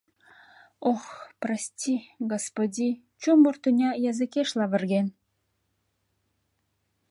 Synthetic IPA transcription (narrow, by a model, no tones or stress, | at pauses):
oxprɑsʲtʲiɡospod̪ʲi | t͡ɕumːort̪unʲɑjɑzɨ̆keʃlˠɑβɘ̆rɡʲen